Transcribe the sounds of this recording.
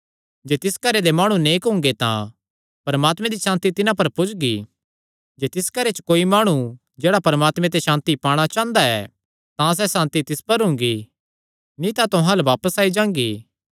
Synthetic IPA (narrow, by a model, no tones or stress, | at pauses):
d͡ʒeːt̪ɪskɐɾed̪emaːɽ̃ũneːkɦʊ̃ŋ̆ɡet̪ã̰ | pɐɾəmaːt̪mẽd̪iʃãːnt̪it̪ɪnãpɐɾpʊd͡ʒɡi | d͡ʒeːt̪ɪskɐɾet͡ʃə̥koːimaːɽ̃u | d͡ʒeːɽapɐɾəmaːt̪mɛ̃t̪eʃãːnt̪ipaːɽ̃at͡ʃãːnd̪aɛ̰ | t̪ãs̬ɛsãːnt̪it̪ɪspɐɾɦʊ̃ŋ̆ɡi | nĩt̪ãt̪ʊɦãlʋaːpəsaːid͡ʒãːŋɡiː